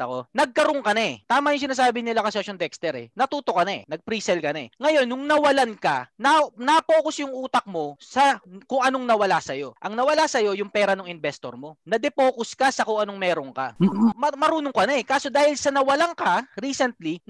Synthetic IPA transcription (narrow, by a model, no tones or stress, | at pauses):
ɐkonɐɡ̚kɐɾoŋkɐnat̪aːmɐjʊŋs̬ɪnaːs̬aːbɪnɪlakɐsoʃont̪ɛkst̪ɛɾɛ̰nɐt̪uːt̪okːɐnaɛ̰nɐɡ̚pɾiːsɛlkɐnaŋɐjo̞nːʊŋnɐwɐlankɐ̰nɐnɐpo̞ːkosjʊŋʔuːt̪ɐk̚mo̞sɐkʊŋʔɐnoŋnɐwɐlasɐjo̞ʔɐŋnɐwɐlasɐjo̞jʊŋpɛːɾɐnoŋɪnbɛst̪o̞̰ɾmo̞nɐd̪ɛpo̞ːkoskasɐkʊŋʔɐnoŋmɛːɾoŋka̰mɐmɐɾuːnoŋkɐnaɛkaːso̞d̪aːhɪlsɐnɐwɐlaŋkaɾiːsɛnt̪̚li